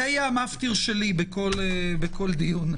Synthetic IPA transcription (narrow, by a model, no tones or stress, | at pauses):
ajamaft̪iʁʃelibeko̞lebeko̞ld̪ijun